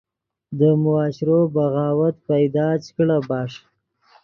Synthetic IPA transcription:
d̪əmʊɑːʃɪɾobaɣɑːwat̪pajd̪ɑːt͡ʃkɽabɑːʂ

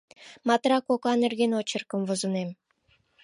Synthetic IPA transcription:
mɑt̪rɑkokɑnerɣenot͡ɕə̆rkə̆mvozə̆nem

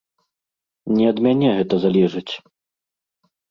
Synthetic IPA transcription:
nʲɛɐd̪mʲanʲɛɣɛt̪ɐzalʲɛʐɨt͡sʲ

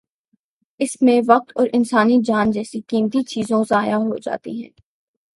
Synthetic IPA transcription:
ɪsmẽʋɐq̚t̪ɔːɾʔɪnsaːnid͡ʒaːnd͡ʒɛːsikiːmt̪it͡ʃiːzõzaːjaɦod͡ʒa̰ːt̪ḭɦɛ̰̃ː

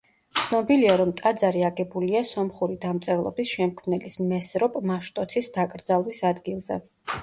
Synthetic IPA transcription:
t̪sʰnɔbiliaɾɔmt̪ʼad̪zaɾiaɡɛbuliasɔmχuɾid̪amt̪sʼɛɾlˠɔ̰bisʃɛmkʰmnɛlismɛsɾɔpʼmaʃt̪ʼɔt̪sʰisd̪akʼɾd̪zalˠwisad̪ɡilˠzɛ̰

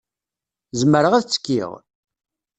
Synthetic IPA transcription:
zməɾəʁæθt͡sːə̥kːḭʁ

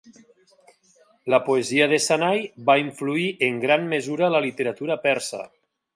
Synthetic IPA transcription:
ləpoeziəðesanajβaiɱfluiʔeŋɡɾanmezuɾaləlit̪eɾat̪uɾapɛɾsa̰

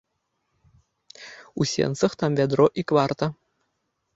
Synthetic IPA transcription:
usʲḛnsɤ̆χt̪ɑmvʲæd̪roʔikʋɑrt̪a

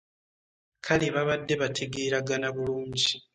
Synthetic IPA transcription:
kʰaliβaβadːe̞βatʰeɡeːɾaɡanaβuluːɲɟi

